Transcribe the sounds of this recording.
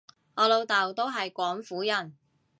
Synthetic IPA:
ɔː˨˧lo˨˧wt̪ɐ˨wt̪o˥wɦɐ˨jkʷɔː˨˥ŋfuː˨˥jɐ˨˩n

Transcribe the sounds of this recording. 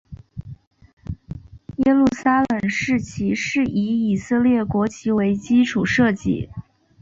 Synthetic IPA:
jɛ˥lu˥˩sa˥lə˨˩ŋʂɻ̩˥˩t͡ɕʰi˧˥ʂɻ̩˥˩i˧˥i˨˩sɤ˥˧ljɛ˥˩kwɔ˧˥t͡ɕʰi˧˥we˧˥ɪt͡ɕi˥ʈ͡ʂʰu˨˩ʂɤ˥˧t͡ɕḭ˥˩

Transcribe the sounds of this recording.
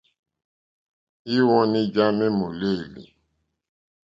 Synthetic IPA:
i˦wɔ̃˦ni˦d͡ʒa˦me˦mo˨le˦˨lḭ˨

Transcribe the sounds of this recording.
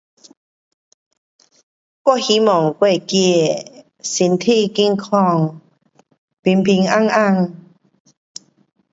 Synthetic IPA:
kwɔ˥˨hi˧˦mɔ˨˩ŋkwe˧˨ki˧˨ | si˧nt̪ʰi˥˧˨ki˧˦ŋkʰɔ˧ŋ | pi˧npʰi˧ŋa˥˧˨ŋa˧˨ŋ

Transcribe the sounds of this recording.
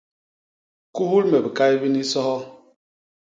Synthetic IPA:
ku˦hu˦ɾme˨bi˨ka˦i˦bi˦ni˦sɔ˦hɔ˦

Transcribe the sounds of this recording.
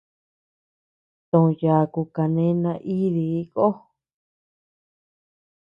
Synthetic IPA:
t̪õ˨˧ja˨ku˧ka˧nẽ˦nã˧ʔi˦ði˧i˦ko˦

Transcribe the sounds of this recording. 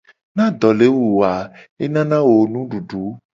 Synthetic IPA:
nã˦d̪ɔ˨le˨˦wu˨wa˨ | e˦nã˦nã˦wo˨nũ˦ɖu˨ɖu˨˦

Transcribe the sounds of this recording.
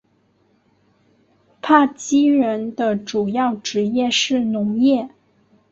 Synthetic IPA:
pʰa˥˩t͡ɕi˥ɻə˧˥nd̪ə˧ʈ͡ʂu˨˩jɑ˥˩ʊʈ͡ʂɻ̩˧˥jɛ˥˧ʂɻ̩˥˩nʊ˧˥ŋjɛ˥˩

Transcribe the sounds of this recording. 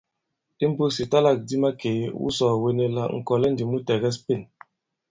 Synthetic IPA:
i˦m˦bo˦si˨ta˦la˦˨k̚di˦ma˦ke˨˦wṵ˦sɔː˨we˦ne˦la̰˦ŋ̩˨kɔ˨lɛ˦ndi˨mu˦tɛ˨ɣɛ˦spe˦˨n

